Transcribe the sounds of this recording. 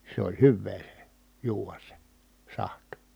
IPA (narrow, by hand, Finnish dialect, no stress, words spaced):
se olʲ hyʋːeː se juːʋɑs se sɑht